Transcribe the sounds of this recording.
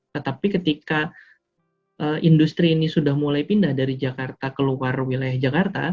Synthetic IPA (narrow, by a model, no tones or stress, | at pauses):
t̪ət̪apikət̪ika | ʔəːʔindust̪ɾiːnisudahmulajpindahdaɾid͡ʒakart̪akəluarwilajahd͡ʒakart̪a̰